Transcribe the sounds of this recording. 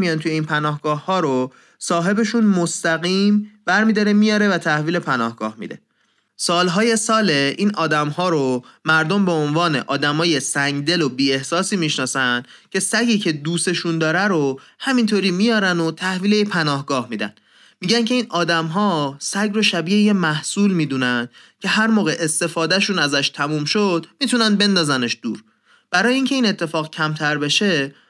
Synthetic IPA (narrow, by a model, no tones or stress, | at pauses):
mijɒːnt̪ʰuje̞iːnpʰænɒːhɡɒːhːɒːɾo | sɒːɦe̞be̞ʃunmost̪æɣiːmbæɾmiːd̪ɒːɾe̞mijɒːɾe̞væt̪ʰæhviːle̞pʰænɒ̰ːhɡ̥ɒ̰ːhmḭːd̪e̞̰ | sɒːlɦɒːje̞sɒːleʔiːnʔɒːd̪æmɦɒːɾomæɾd̪o̞mbeonvɒːne̞̰ʔɒːd̪æmɒːje̞sæŋɡd̪e̞lobiːe̞hsɒːsiːmiʃnɒːsænd̪cʰe̞sæɟiːcʰe̞d̪uːse̞ʃund̪ɒːɾæɾohæmint̪ʰoːɾiːmijɒːɾænot̪ʰæhviːlejepʰænɒːhɡɒːhmiːd̪æ̰n | miːɟæncʰe̞iːnʔɒːd̪æmɦɒːsæɡroʃæbiːeje̞mæhsuːlmiːd̪uːnænd̪ | cʰe̞ɦæɾmɒːɣe̞ʔest̪e̞fɒːd̪æʃuːnæzæʃt̪ʰæmuːmʃod̪̥miːt̪ʰunæn̚be̞nd̪ɒːzæneʃd̪uːɾ | b̥æɾɒːjeiːŋcʰe̞iːnet̪ʰːe̞fɒːɣcʰæmt̪ʰæɾbe̞ʃe̞